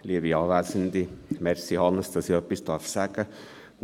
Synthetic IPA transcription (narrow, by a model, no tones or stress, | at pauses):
liəʋiɑːʋæːsənd̪imɛrsihɑnəst̪ɑsiœpːist̪ɑrfsæɡə